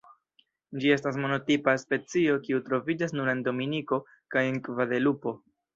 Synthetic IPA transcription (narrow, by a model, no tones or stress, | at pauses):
d͡ʒie̞stas̬mo̞no̞tipaspe̞t͡sio̞kiutɾo̞vid͡ʒasnuɾe̞ndo̞miniko̞ | kaje̞ŋkvade̞lupo̞